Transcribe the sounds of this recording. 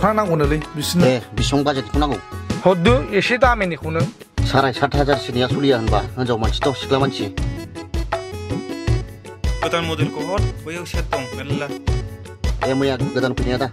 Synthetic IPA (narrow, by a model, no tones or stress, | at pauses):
anakunɯlɯbisnebisɔŋbazakikʰunaɡɔwhɔd̪ueset̬amenikʰunɯ | saɾajsatʰɦazaɾsinijasulijaɦɯnbaɯnzawmansʰi̥tɔsi̥klamansie | ɡɯt̪anmɔdɯlkɔɦɔt̚kɔjawsɛtːɔŋnelɯla | ɛmɯjaɡɯdankʰujnijada